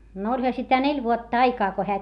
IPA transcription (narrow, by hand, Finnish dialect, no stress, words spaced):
n olʲhɑ sitæ nelʲ ʋuotːɑ ɑikɑː ko heæ